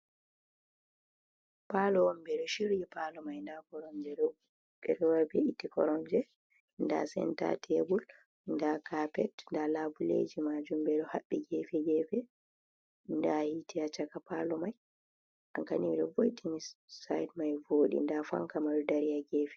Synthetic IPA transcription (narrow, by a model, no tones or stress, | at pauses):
palɔwɔmbɛɗɔʃiɾjipalɔmajndakɔɾɔɲd͡ʒɛɗɔu | ɓɛɗɔwaɾbɛitikɔ̰ɾɔɲd͡ʒɛ | nda̰sɛ̰nta̰tʰebul | ndakapɛtndalabulḛd͡ʒimad͡ʒumbɛɗɔhaɓːɛɡɛfɛɡɛfɛ | ndahitʰiat͡ʃakapalɔmaj | ʔaŋkaniwɗɔvojtʰinisa̰jdmajvoːɗḭndafa̰ŋkamaɗɔdaɾijaɡɛfɛ̥